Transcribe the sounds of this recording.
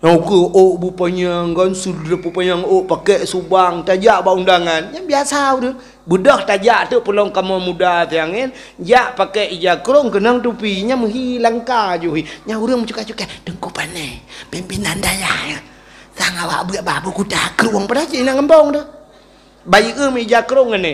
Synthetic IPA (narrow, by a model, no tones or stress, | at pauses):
akəʔoʔbupaɲaŋɡansulɾəpupaɲaŋoʔpakɛʔsubaŋt̪ad͡ʒaʔbaundaŋanɲabiasauɾəŋ | budɔht̪ad͡ʒaʔt̪əpəlɔŋkamɔmudat̪ajaŋen | d͡ʒaʔpakɛʔid͡ʒakɾoŋkənaŋt̪̬upiɲaməɦilaŋkad͡ʒuɦiɲauɾəŋmət͡ʃukat͡ʃukad̥əŋkupanepimpinand̪ajahjə | t̪aŋawa̰ʔbəaʔbabukut̪akəɾuaŋpadad͡ʒəinaŋəmbɔŋdə | bajiʔəməid͡ʒakɾoŋəne